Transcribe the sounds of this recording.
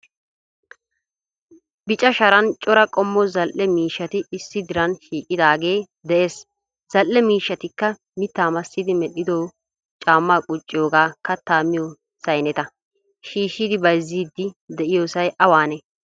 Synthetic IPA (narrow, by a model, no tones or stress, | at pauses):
bɪt͡ʃʼɐʃɐɾɐnt͡ʃʼɔɾɐkʼɔmːɔzɐlʔːɛmiːʃːɐt̪ɪɪsːɪd̪ɪɾɐnʃiːkʼːɪd̪aːɡe̞ː | d̪ɛʔeːs | z̥ɐlʔːɛmiːʃːɐt̪ɪkːɐ | mɪt̪ːaːmɐsːɪd̪ɪmɛɗːɪd̪oː | t͡ʃʼaːmːaːkʼʊt͡ʃʼːɪjoːɡaːkɐt̪ːaːmɪjoː | sɐjnɛt̪ɐ | ʃiːʃːid̪ɪbɐjzːiːd̪ːɪd̪ɛʔɪjoːsɐjʔɐwaːnɛ